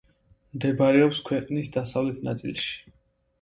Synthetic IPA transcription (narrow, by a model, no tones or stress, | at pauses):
md̪ɛbaɾɛɔpskʰwɛqʼnisd̪asavlɛt̪ʰna̰t̪sʼḭlˠʃi̥